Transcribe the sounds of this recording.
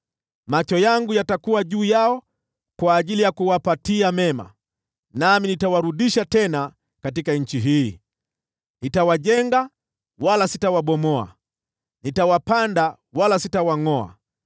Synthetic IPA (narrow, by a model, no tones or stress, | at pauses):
mat͡ʃɔjaŋɡujatakuwaʄuːjaɔ | kwaːʄilijakuwapatiamɛma̰ | naminitawaɾuɗiʃatɛna | katikaɲ̩t͡ʃiɦiː | nitawaʄɛŋɡa | walasitawaɓɔmɔa̰ | nitawapanda | walasitawaŋɔa̰